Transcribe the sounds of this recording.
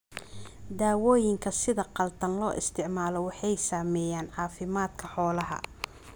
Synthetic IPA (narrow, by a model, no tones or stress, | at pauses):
d̪aːwɔːjɪŋkʰɐsɪðɐqɑlt̪ʰɐnlɔːʔɪ̰st̪ʰɪʕmaːlɔwɑħɑjsaːmɛːjaːnʕɑːfɪmaːd̪̚kʰɐħɔːlɐɦɐ̰